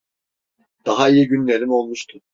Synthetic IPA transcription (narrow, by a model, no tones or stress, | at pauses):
d̪̥aɦaijiɟynlʲe̞ɾimo̞lˠmuʃt̪ʰu